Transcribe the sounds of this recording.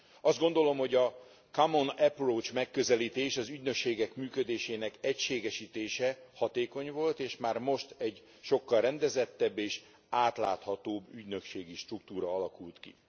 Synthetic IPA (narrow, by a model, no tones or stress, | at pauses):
ɒzd̪̚ɡo̞nd̪o̞lo̞mho̞ɟɒ | kamonɛproːt͡ʃmɛkːøzɛliːt̪eːʃɒzyɟnøkʃeːɡɛkmyːkød̪eːʃeːnɛkɛcʃeːɡɛʃiːt̪eːʃɛhɒt̪eːko̞ɲvo̞lt̪eːʃmaːrmo̞ʃt̪ɛɟ | ʃo̞kːɒlrɛnd̪ɛzɛt̪ːɛbːeːʃ | aːt̪la̰ːt̪hɒt̪oːbːyɟnø̞kʃeːɡiʃt̪ruk̚t̪uːɾɒɒlɒkult̪kḭ